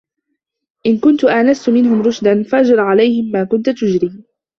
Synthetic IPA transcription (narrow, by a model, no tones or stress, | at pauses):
ʔɪnkʊnt̪ʊʔaʔnast̪ʊmɪnɦʊmɾˤʊʃd̪anfaʔad͡ʒɾˤɑʕalajhɪmːaːkʊnt̪ʊt̪ʊd͡ʒɾiː